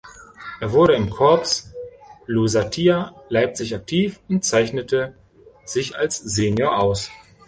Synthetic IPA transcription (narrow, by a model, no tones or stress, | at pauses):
ʔeːɐvʊɐɾəɪmkʰɔɐps | luzatʰiːalaɪp̚t͡sɪçak̚tʰiːfʊnt̚t͡saɪçnətə | z̥ɪçalsz̥enjoːɐʔaʊs